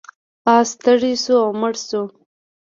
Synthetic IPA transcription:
ɑst̪əɽisuawmʊɽsu

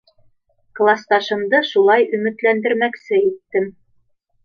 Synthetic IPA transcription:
klˠast̪ɑʃɤ̆md̪ɤʃulˠɑjɵ̆mɘ̆t̪lænd̪ɘ̆ɾmæksɘit̪ːɘm

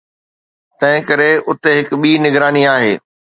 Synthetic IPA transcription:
t̪ɐ̃ɦɪ̃kɐɾeʊt̪eɦɪkɓiːnɪɡɾaːniaːɦeː

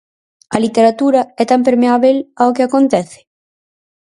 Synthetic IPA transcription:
ɐlit̪eɾat̪uɾaɛt̪amp̬eɾmeaβelaokeakont̪ɛθɪ̥

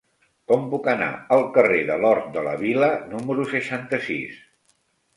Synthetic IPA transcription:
kɔmpukəna̰əlˠkəreðəlɔɾt̪̚d̪ələ̰βilənuməɾusəʃant̪əsḭs

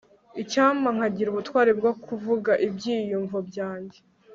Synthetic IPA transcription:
icaːmaŋ̥haɟiɾuβutwaːɾeb̚ɡwokʰuvuɡaʔibɟiːjuɱvobɟaːɲɟe

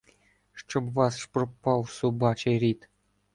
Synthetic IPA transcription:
ʂt͡ɕŏbvɑsʂprpːɑwsubɑt͡ɕerʲit̪ʲ

